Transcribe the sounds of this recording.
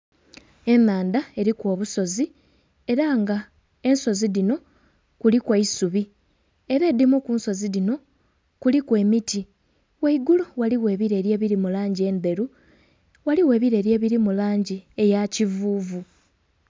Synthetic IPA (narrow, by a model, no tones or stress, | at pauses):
e̞naːndae̞ɾikwo̞ːβuso̞zi | e̞ɾaŋɡa | e̞nso̞ziðino̞ | kulikwaisuβi | e̞ɾe̞ːdimukunso̞ziðino̞ | kulikwe̞ːmiti | waiɡuluwaliwe̞ːβiɾe̞ːɾje̞ːβiɾimulaːɲɟie̞nde̞ɾu | waliwe̞ːβiɾe̞ːɾjeːβiɾimulaːɲɟie̞jacivuːvu